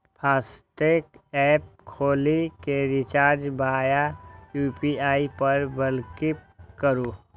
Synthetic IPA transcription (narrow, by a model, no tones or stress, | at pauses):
pʰaːst̪ekɛːp̚kʰoːlikeɾɪt͡ʃaːɾd͡ʒbaːjajupiaːipəɾbəlkɪp̚kəɾu